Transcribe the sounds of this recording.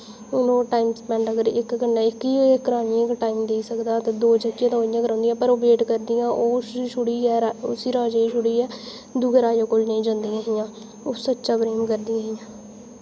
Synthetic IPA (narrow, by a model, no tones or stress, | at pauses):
ʊnõːʈaːimspɛ̃ːɳəɡəɾɪkɡənːaːɪkiːɪkɾaːnĩːkʈaːimd̪eːsəkd̪aːt̪aːd̪oːd͡ʒəkːãt̪ãːɪjãːkəɾãːnd̪ijãːpəɾoːbeːʈkəɾd̪ɪjãːʔoːsʃʊɽiːɛːaʊ̰siːɾaːd͡ʒaːiʃʊɽiːɛː | d̪uːɡəɾaːjõːkoːlnəĩːd͡ʒãːnd̪ijãːɦɪjãː | oːsətːʃaːbɾeːmkəɾd̪ijãːɦjãː